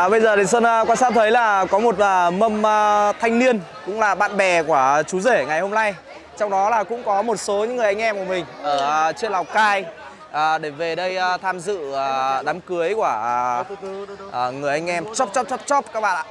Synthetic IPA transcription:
ɓə˧jzəː˨˩ɗə˨˩ŋswə˧nː˧kwaː˧sa̰ː˦˥w̚t̪ʰə˨˦jlaː˨˩kɔ˨˦mo˨˩t̚əː˨˩mə˧mː˧t̪ʰa˧jŋni˧ən | kʊ̰˧˥ŋ͡mlaː˨˩ɓa̰ː˧˨nɓɛ˨˩ku˧˩ət͡ɕu˨˦ze˧˩ŋa˨˩jho˧mna˧j | t͡ɕɔ˧wŋ͡mɗɔ˨˦laː˨˩kʊ̰˧˥ŋ͡mkɔ˨˦mo˨˩t̚so˨˦ɲɨ̰˧˥ŋɨ˨˩əjʔa˧ŋ̟ʔɛ˧mku˧˩əmï˨˩ŋ̟ʔəː˧˩t͡ɕi˧əla˨˩wkaː˧j | ʔəː˨˩ɗe˧˩ve˨˩ɗə˧jt̪ʰaː˧mzɨ̰˧˨˩ɗaː˨˦mkɨ˨˦əjku˧˩ə˩˨˩ | ŋɨ˨˩əjʔa˧jŋ̟ʔɛ˧mt͡ɕɔ˦˥p̚t͡ɕɔ˦˥p̚t͡ɕɔ˦˥p̚t͡ɕɔ˦˥p̚kaː˦˥k̚ɓa̰ː˧˨a̰ː˧˩

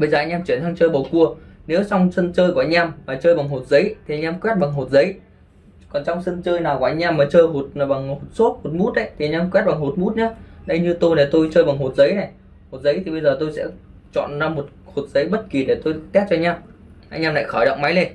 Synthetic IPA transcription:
ɓə˧jzəː˨˩ʔa˧ŋ̟ʔaː˧t͡ɕwi˧˩ənt̪ʰa˧ŋt͡ɕəː˧jɓə˨˩wku˧˩əne˨˦wt͡ɕa˧wŋ͡msə˧nt͡ɕəː˧jkʔa˧jɲ̟aː˧mmaː˨˩t͡ɕəː˧jɓa˨˩ŋɦo˨˩t̚zə˨˦jt̪ʰi˨˩ʔa˧˦jɲʔaː˧mkwɛ˦˥t̚ɓa˨˩ŋɦo˨˩t̚zə˨˦j | kɔ˨˩nt͡ɕɔ˧wŋ͡msə˧nt͡ɕəː˧jnaː˨˩wku˧˩ʔa˧˩ɲ̟ʔaː˧mːaː˨˩t͡ɕəː˧jɦo˨˩t̚ːɓa˨˩ŋho˨˩t̚so˦˥t̚ho˨˩t̚mu˦˥t̚ʔə̰˧˦jt̪ʰi˨˩ʔa˧˦ɲ̟ʔaː˧mkwɛ˦˥t̚ɓa˨˩ŋɦo˨˩t̚mu˦˥t̚ɲaː˨˦ɗə˧jɲɨ˧t̪o˧jna˨˩t̪o˧jt͡ɕəː˧jɓa˨˩ŋɦo˨˩t̚zə˨˦jna˨˩j | ho˨˩t̚zə˨˦jt̪ʰi˨˩ɓə˧jzəː˨˩t̪o˧jsɛ̰˧˥ | t͡ɕɔ̰˧˨nzaː˧mo˨˩t̚ho˨˩t̚zə˨˦jɓə˦˥t̚ki˨˩ɗe˧˩t̪o˧jt̪ɛ˦˥t̚t͡ɕɔ˧jɲ̟aː˧m | ʔa˧jʔaː˧mna̰ː˧˨xəː˧˩jɗə̰˧˨ŋ͡mma˨˦jle˧n

